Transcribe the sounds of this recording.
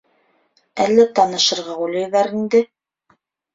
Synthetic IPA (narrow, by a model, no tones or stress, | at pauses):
ælːæt̪ɑnɤ̆ʃɤ̆ɾʁɑulʲˠɑ̆jðɑɾind̪ɘ